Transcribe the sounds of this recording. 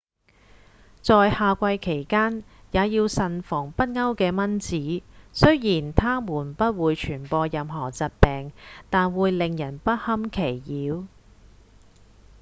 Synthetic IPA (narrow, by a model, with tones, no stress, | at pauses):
t͡sɔː˨˧jhaː˨˧kʷɐ˧jkʰe˨˩jkaː˥njaː˨˧jiː˧wsɐ˨nfɔː˨˩ŋpɐ˥t̚ŋɐ˥wkɛː˧mɐ˥nt͡siː˨˥sɵ˥ɥjiː˨˩nt̪ʰaː˥muː˨˩npɐ˥t̚wuː˨˧jt͡ʃʰyː˨˩npɔː˧jɐ˨˧mɦɔː˨˩t͡sɐ˨t̚pɛː˨ŋt̪aː˨nwuː˨˧jlɪ˨ŋjɐ˨˩npɐ˥t̚hɐ˥mkʰe˨˩jːiː˨˥w